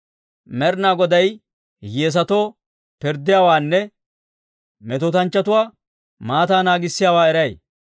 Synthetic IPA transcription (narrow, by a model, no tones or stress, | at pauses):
mɛɾnaːɡɔd̪ɐj | jeːs̬ɐt̪oː | pɪɾd̪ːɪjaːwaːnːɛ | mɛt̪ɔt̪ɐnt͡ʃːɐt̪ʊwaː | maːt̪aːnaːɡɪsːɪjaːwaːɛɾɐj